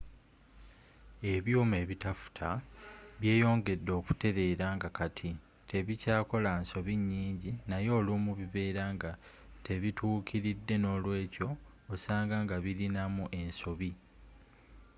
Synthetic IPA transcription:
e̞βjoːme̞ːβitafu̥tʰaβje̞ːjo̞ːŋɡe̞dːo̞ːku̥te̞ɾe̞ːɾaŋɡakatʰi | tʰe̞βicaːko̞lanso̞βiɲːiːɲɟinajo̞ːlumuβiβe̞ːɾaŋɡa | tʰe̞βitʰuːkʰiɾidːe̞no̞ːlwe̞ːco̞ː | saːŋɡaŋɡaβiɾinamuʔe̞nso̞βi

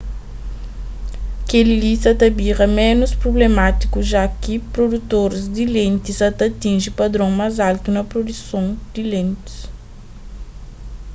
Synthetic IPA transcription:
kelilisɐt̪ɐbiʁɐmɛ̃nuspɾoblemat̪i̥kuʒakipɾod̪ut̪oɾzd̪ilẽnt̪izɐt̪ɐt̪ĩnʒipɐd̪ɾõŋmazalt̪unɐpɾod̪usõwd̪ilẽnt̪i̥s

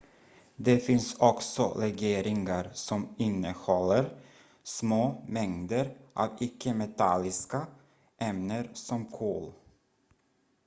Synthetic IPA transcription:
d̪ɛfɪnsɔksɔɾɛɡeːɾɪŋaɾsɔmɪnːəhɔlːəɾ | smoːmɛŋd̪əɾʔɑ̰vɪkʰːəmɛt̪ʰalːɪska | ʔɛmnəɾsɔmkʰo̰ːl

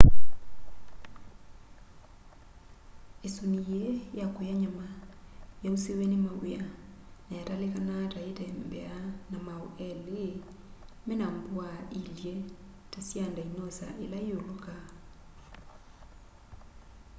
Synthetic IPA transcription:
esonijejakojaɲamajausewɛnemawea | najatalekanataetɛmbɛanamaoʔɛle | mɛnambwailje | tasjandainɔsa̰ʔelaioloka

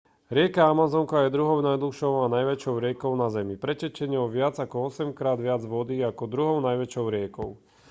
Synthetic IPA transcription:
ɾɪɛkaamazɔŋkajɛd̪ɾuɦɔʊnajd̪luxʃɔʊanajʋɛt͡ʃɔʊɾɪɛkɔʊnazɛmipɾɛcɛt͡ʃɛɲɔʊʋɪad͡zakɔɔsɛmkɾaːd̪ʋɪad͡zʋɔd̪iakɔd̪ɾuɦɔʊnajʋɛt͡ʃɔʊɾɪɛkɔʊ

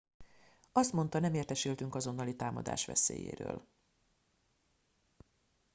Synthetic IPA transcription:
ɒst̪mo̞nt̪ɒnɛmeːrt̪ɛʃilt̪yŋkɒzo̞nːɒlit̪aːmɒ̰d̪a̰ːʃʋɛ̰sḛːjḛːɾø̰ːl

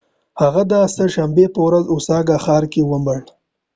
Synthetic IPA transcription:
haɣad̪asəʃambepəwɾazʊsɑɡaxɑːɾkewəməɽ

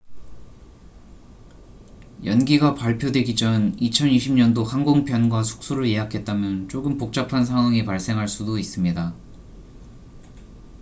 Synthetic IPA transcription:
jʌnɡiɡapaɭpʰjodwe̞ɡid͡ʑʌɯnit͡ɕʰʌniɕʰimɲʌndohanɡoŋpʰjʌnɡwasʰu̥k̚s͈oɾɯɭje̞ɦakʰe̞t̚t͈amjʌnt͡ɕ͈ʰoɡɯmpok̚t͡ɕ͈apʰansʰaŋwaŋipaɭs͈e̞ŋɦaɭs͈udois͈ɯmɲida

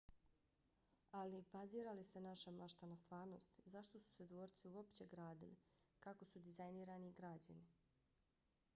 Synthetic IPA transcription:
alibaziːɾalisenaʃamaʃt̪anast̪ʋaːɾno̞st̪zaʃt̪o̞su̥se̞d̪ʋo̞ːɾt̪siuo̞pt͡ɕe̞ɡɾaːd̪ili | kako̞sud̪izajniːɾaniɡɾad͡ʑani

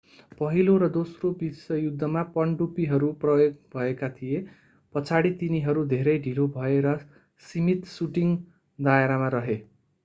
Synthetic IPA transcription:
pʌɦiloɾʌd̪osrobisʌjud̪ʱːʌmapʌɳɖupiɦʌɾuprʌjoɡ̚bʱʌekat̪ʰije | pʌt͡sʰaɽit̪iniɦʌɾud̪ʱeɾʌjɖʱilobʱʌeɾʌ | simit̪suʈiŋ | d̪aeɾamaɾʌɦe

